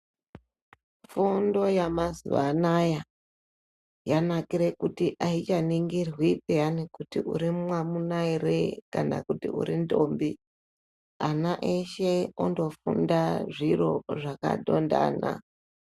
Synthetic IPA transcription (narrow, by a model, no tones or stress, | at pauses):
fundo̞jamazṵʋa̰naja | janakiɾekutiʔait͡ʃaniŋɡirwipejanikutiʔṵɾimmwamunairekana̰kutḭṵɾindo̞ːmbi | anaʔeʃeondo̞fṵndaʐiro̞ʐaka̰ɗo̞nda̰na̰